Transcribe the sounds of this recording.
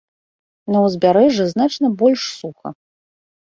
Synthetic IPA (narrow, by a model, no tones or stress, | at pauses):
nɐwzʲbʲaɾɛʐɨznat͡ʂnɐbɔlʲʂsuxɐ̰